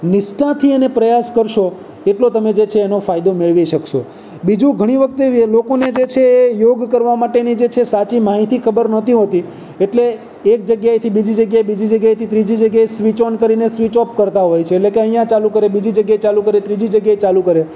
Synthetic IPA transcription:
nɪʃʈãt̪ʰiənepɾəjaskəɾʃo | eʈlot̪əmed͡ʒet͡ʃʰeːnofajd̪omeɭʋiʃəkʃo | bid͡ʒũɡʱəɽ̃iʋək̚t̪eelokoned͡ʒet͡ʃʰeːjoɡkəɾʋamaʈenid͡ʒet͡ʃʰesat͡ʃimaɦit̪ʰikʰəbəɾnət̪iɦot̪i | eʈleː | k̚d͡ʒəɡjajt̪ʰibid͡ʒid͡ʒəɡjajebid͡ʒid͡ʒəɡjajt̪ʰit̪ɾid͡ʒid͡ʒəɡjaesʋit͡ʃənkəɾinesʋit͡ʃɔpkəɾt̪aɦojt͡ʃʰeːlekeəɦijãt͡ʃalukəɾebid͡ʒid͡ʒəɡjajt͡ʃalukəɾet̪ɾid͡ʒid͡ʒəɡjajt͡ʃalukəɾe

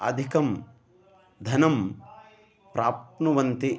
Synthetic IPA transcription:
ɐ̰d̪ʱikɐm | d̪ʱɐnɐm | pɾʔaːpnuʋɐnt̪i

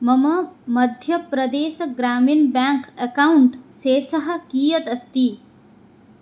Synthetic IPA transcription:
mɐmɐmɐd̪ʱjɐpɾɐd̪eːʃɐɡɾaːminbjaːŋkɐkauɳʈseːsɐɦɐ̆kiːjɐt̪ɐst̪i

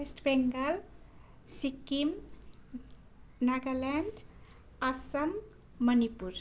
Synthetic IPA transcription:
esʈbɛŋɡəl | sikːim | naɡalɛɳɖ | asəmː | ənipuɾ

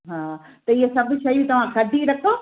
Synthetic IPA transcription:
ɦãː | t̪ɐɪɦesɐbʱʊʃɐjũt̪ɐʋ̤ãkɐd̪ʱiɾɐkʰo

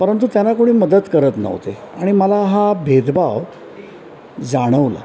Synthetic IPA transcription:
pəɾənt̪ut̪janakoɽ̃iːməd̪əd̪kəɾət̪nə̰ʋt̪ḛ | aɽ̃iməlaɦabʱed̪baʋ | d͡zaɽ̃əʋla̰

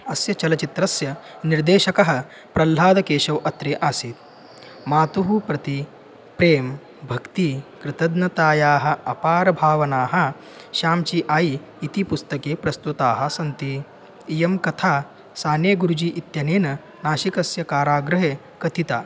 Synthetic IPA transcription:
ɐsjɐt͡ʃɐlɐt͡ʃit̪ɾɐsjɐ | niɾd̪eːʃɐkɐɦɐ | pɾɐlːaːd̪ɐkeːʃɐwʔɐt̪ɾeːʔaːsiːt̪ | maːt̪uɦupɾɐt̪i | pɾeːm | bʱɐkt̪ikɾɪt̪ɐd̪nɐt̪aːjaːɦɐ̆ɐpaːɾɐbʱaːʋɐnaːɦɐ | ʃaːmt͡ʃiːʔaːiː | t̪ipust̪ɐkeːpɾɐst̪ut̪aːɦɐ̆sɐnt̪iː | jɐmkɐt̪ʰaː | saːnjeːɡuɾud͡ʒiːʔit̪jɐneːnɐ | naːʃikɐsjɐkaːɾaːɡɾɐɦeː | kɐt̪it̪aː

